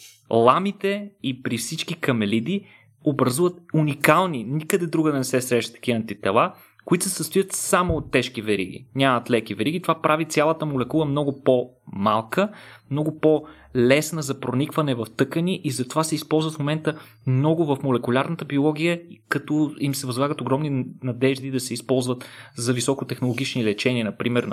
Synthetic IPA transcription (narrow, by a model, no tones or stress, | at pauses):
lˠamit̪ɛipɾifsit͡ʃkikɐmɛlid̪i | obɾɐzuvət̪̚unikalˠninikəd̪ɛd̪ɾuɡəd̪ɐnɛsɛsɾɛʃt̪ɐ̥kʲiəɐːnt̪it̪ɛlˠa | kʊit̪sɛsəst̪ʊjət̪samoːt̪ːɛʃkivɛɾḭɡ̟ḭnʲamɐt̪lɛk̟ivɛɾiɡʲit̪ovapɾavit̪sʲjalˠɐt̪əmolɛkulˠəmnɔɡʊpɔmalˠkəmnɔɡʊpɔ | lɛsnəzɐpɾonikvɐnɛvɐft̪ɤkəniʔizɐt̪ovasɛispɔlˠzvət̪fmomɛnt̪ə | mnɔɡʊvɐfmolɛkʊlʲaɾnət̪əbiolˠɔɡ̟ʲijəkɐt̪ɔimsɛvɐzlˠaɡət̪oɡɾɔmninɐd̪ɛʒd̪id̪ɐsɛispɔlˠzvət̪zɐvisɔkʊt̪ɛxnolˠoɡ̟ʲit͡ʃnilɛt͡ʃɛniənɐpɾimɛɾ